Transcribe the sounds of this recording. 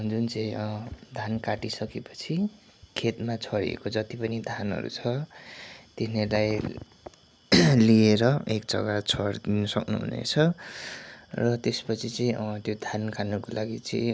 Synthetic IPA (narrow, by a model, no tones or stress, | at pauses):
d͡zunt͡sʌ̃ĩd̪ʱankaʈisʌkepʌ̥t͡sʰi | kʰet̪mat͡sʰʌɾḭḛkod͡zʌt̪ipʌnid̪ʱanɦʌ̰ɾṵt͡sʰʌ | t̪enʌlaj | lieɾʌek̚d͡zʌ̰ɡat͡sʰʌɾd̪inʌsʌknṵɦṵnḛt͡sʰʌ | rʌt̪espʌt͡sʰit͡sʌĩʌt̪jod̪ʱankanukolaɡit͡sʌj̃